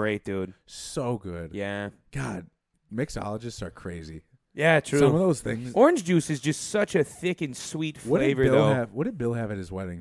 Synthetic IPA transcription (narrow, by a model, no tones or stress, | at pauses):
ɹeɪt̚d̥ʉd̥soʊɡʊd̥jæ | ɡ̥ɑd̥̚ | mɪksɑ̰lˠəd͡ʒɨstsə̰˞kʰɹ̥eɪzi | jætʰɹ̥sʉʌ̃mʌvðoʊz̥θɪ̃ŋzɔɹɨ̃nd͡ʒd͡ʒʉsɨzd͡ʒʌstsʌt͡ʃɨθɪkɨ̃nswitfwʌldeɨɪvə˞ɪðlˠoʊɨvwʌt̚d̥ɨd̚bɪlˠɨvɨɾ̚ɨzwɛɾɪ̃ŋ